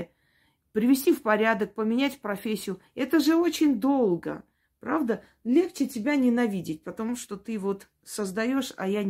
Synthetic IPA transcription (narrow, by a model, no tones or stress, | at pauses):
pɾʲɪvʲɪsʲtʲifpɐɾʲad̪ək̚pəmʲɪnʲætʲfpɾɐfʲesʲːɪjʊ | ɛt̪əʐɨo̞t͡ɕɪnʲd̪o̞lˠɡə̰ | pɾavd̪ə | lʲe̞xt͡ɕɪtʲɪbʲanʲɪnɐvʲidʲɪt̚ʲpət̪ɐmuʂt̪o̞t̪ɨvo̞t̪ | səzd̪ɐjo̞ʂɐ̰ja